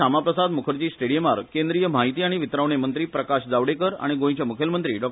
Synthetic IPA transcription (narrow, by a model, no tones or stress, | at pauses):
amapɾəsad̪mukʰəɾt͡ɕiːsʈeɽijəmaɾkend̪ɾijəm̤aɦit̪iːaɽ̃iʋit̪ɾaʋɳemənt̪ɾiːpɾəkaɕd͡zaʋɽekəɾa̰ɽ̃iɡõjĩt͡ɕjamukʰjəlmənt̪ɾiːɖɔk̚